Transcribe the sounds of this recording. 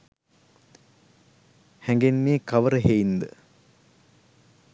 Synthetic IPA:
hɛŋɡenmeːkaʋəɾəɦeind̪ə

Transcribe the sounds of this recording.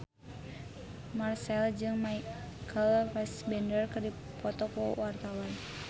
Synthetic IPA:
marsɛld͡ʒɨŋmakʰəlrɛsbɛndərkɨrdi | pɔt̪ɔkuwart̪awan

